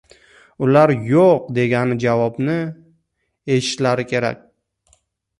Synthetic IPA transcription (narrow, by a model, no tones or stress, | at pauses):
ʊlaɾjoq̚d̪e̞ɡʲanɪd͡ʒavɒbnɪ | e̞ʃɪ̥t̪laɾɪkʲʰe̞ɾa̰kʲ